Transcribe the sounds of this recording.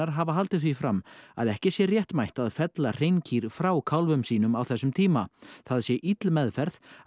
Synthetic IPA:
aɾɦavaɦalt̪ɪθvifɾamːa̰ðɛhcɪsjɛrjɛht̪majht̪aðfɛt̪lar̥ejncʰiːɾ̥fɾawkʰawlvʏmsiːnʏmawθɛsːʏmt̪ʰiːmaθaðsjɛʔit̪lmɛðfɛɾθ

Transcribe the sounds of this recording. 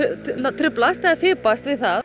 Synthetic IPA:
at̪ʰɾʏplast̪aafɪːpast̪vɪðθa

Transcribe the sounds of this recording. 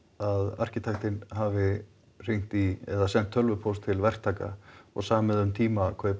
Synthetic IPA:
aða̰r̥cɪt̪ʰaxt̪ɪnɦavɪ | r̥iŋ̥t̪iɛðasɛn̥t̪ʰːœlvʏpʰowlst̪ʰɪlvɛr̥t̪ʰaːka̰ɔ̰ɣsaːmmɛðʏmt̪ʰiːmakʰvɛ

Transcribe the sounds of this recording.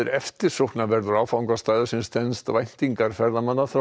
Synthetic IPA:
ɪɾɛft̪ɪɾsohknavɛɾðʏɾaːwfawŋkast̪aːjðʏsɪnst̪ɛnst̪avajn̥t̪iŋkaɾ̥fɛɾðamanːaθɾa

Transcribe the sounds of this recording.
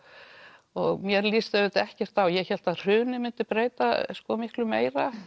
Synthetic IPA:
ɔɣmjɛɾlist̪aɪt̪ɛhcɛr̥t̪θawjɛçɛl̥t̪aðr̥ʏːnɪmɪnt̪ɪpɾeːjt̪a̰skɔmɪhklʏmeːjɾa

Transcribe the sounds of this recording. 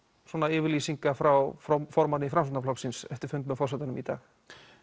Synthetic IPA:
swɔːnaɪːvɪɾliːsiŋkafɾawffɔɾmanɪifɾamsɔnaflɔksinsɛ̰ft̪ɪɾfʏnt̪mɛðfɔrsɛt̪anʏmit̪a̰ːx

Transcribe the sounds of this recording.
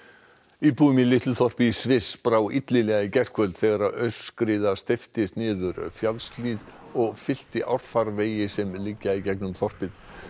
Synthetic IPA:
ipuːʏmɪlɪht̪lʏθɔr̥pɪisvɪspɾaːwit̪lɪlɛːɣaicɛr̥kʰvœlt̪θɛɣaɾaðœɥl̥skɾɪðast̪ɪft̪ɪsnɪːðʏɾʏ̰fjalst̪liðɔɣfɪl̥t̪ɪʔawɾ̥faɾveːjɪsɛmlɪcːaicɛknʏmθɔr̥pɪð

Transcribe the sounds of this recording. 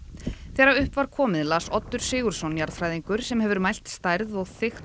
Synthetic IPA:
θɛːɾaʏhpvaɾ̥kʰɔːmɪðlasɔt̪ːʏɾ̥sɪːɣʏɾ̥sɔnjaɾfɾajðiŋkʏɾ̥sɛmhɛvʏɾmajl̥t̪st̪ajɾðɔɣθɪx

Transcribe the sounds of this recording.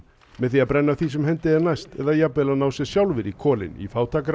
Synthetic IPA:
mɛðθiapɾɛnːaθisɛmɦɛnt̪ɪɛɾnajst̪ɛðajapɛlanaːwsjɛsjawlvɪɾikʰɔːlɪ̰nḭfaːwt̪ʰaːkɾ

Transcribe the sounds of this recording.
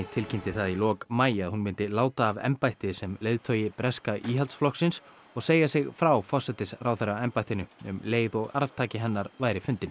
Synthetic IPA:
ɪt̪ʰɪlcʰɪnt̪ɪθaðilɔːkmaːjɪaðhunmɪnt̪ɪlaːwt̪aːvɛ̰mpajht̪ɪsɛmleːjðt̪ʰœːjɪpɾɛskaʔiːɦalt̪sflɔhksɪns | ɔɣseːjasɪɣfɾawfɔr̥sɛt̪ɪsraːwθeɾaɛmpajht̪ɪnʏʏ̰mleːjðɔɣa̰ɾv̥t̪ʰaːcɪɦɛnːaɾvaːjɾɪfʏnt̪ɪn

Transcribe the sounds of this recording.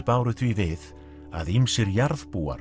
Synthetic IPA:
paːwɾʏθvivɪð | a̰ðimsɛɾjaɾð̥puːa̰ɾ

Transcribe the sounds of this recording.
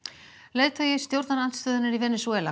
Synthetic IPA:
leːjt̪ʰajɛst̪jowɾt̪nanan̥t̪st̪œːðʏnaɾivɛnɛsuɛːla̰

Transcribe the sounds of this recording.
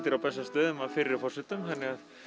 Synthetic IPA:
t̪ɪɾawpɛsːast̪œːðʏmaðfɪɾɪɾɪfɔr̥sɛt̪ʏmhanːɪɣað

